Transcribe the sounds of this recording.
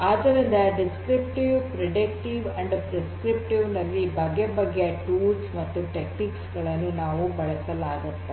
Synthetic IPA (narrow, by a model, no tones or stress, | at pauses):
aːd̪ɐɾind̪ɐɖiskɾip̚ʈiʋpɾeɖik̚ʈiʋɐɳɖpɾeskɾip̚ʈiʋnɐlːibʱɐɡebɐɡːeʈuːɖsmɐt̪ːuʈekniksɡɐɭɐnːunaːʋubɐɭɛsɐlaːɡut̪ːe